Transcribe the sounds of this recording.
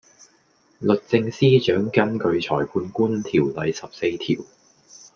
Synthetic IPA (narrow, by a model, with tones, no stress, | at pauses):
lɵ˨t̚t͡sɪ˧ŋsiː˥t͡ʃœː˨˥ŋkɐ˥nkɵ˧ɥt͡sʰɔ̰ː˨˩jpʰuː˧nkuː˥nt̪ʰiː˨˩wlɐ˨˥jsɐ˨p̚se˧jt̪ʰḭː˨˩w